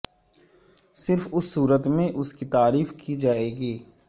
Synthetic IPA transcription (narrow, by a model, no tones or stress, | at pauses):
sɪɾfʊsːuːɾət̪mẽʔʊskit̪aːɾiːfkid͡ʒaːeːɡiː